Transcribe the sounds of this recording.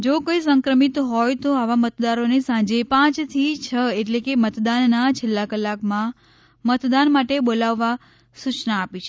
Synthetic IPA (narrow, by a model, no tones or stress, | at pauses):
d͡ʒokəisə̃ŋkɾəmit̪ɦɔjt̪oaʋamət̪d̪aɾonesãd͡ʒepãt͡ʃt̪ʰit͡ʃʰəeʈlekemət̪d̪anːat͡ʃʰelːakəlːakmã | mət̪d̪anmaʈebolaʋːa | sut͡ʃnaːpit͡ʃʰe